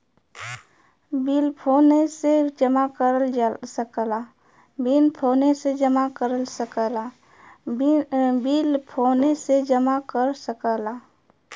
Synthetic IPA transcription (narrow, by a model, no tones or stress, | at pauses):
bilpʰoːnesed͡ʒəmakəɾsəkəla | binpʰoːnesed͡ʒəmakəɾəlsəkəla | biːlpʰoːnesed͡ʒəmakəɾsəkəlaː